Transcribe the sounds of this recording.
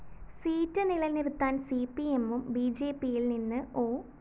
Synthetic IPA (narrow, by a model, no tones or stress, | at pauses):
siːtːɨniɭɐlnirut̪ːaːnsiːpːiemːumbiːd͡ʑe̞ːpːijilninːɨo̞ː